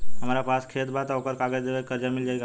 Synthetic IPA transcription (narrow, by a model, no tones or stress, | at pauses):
ɦəmaɾapaskʰet̪bʱat̪okəɾkaɡəd̪eʋekəɾd͡ʒamild͡ʒajɡa